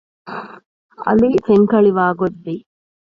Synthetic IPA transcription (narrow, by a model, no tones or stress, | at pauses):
ɐ̰liseŋkɐɭiʋaːɡod̪ːi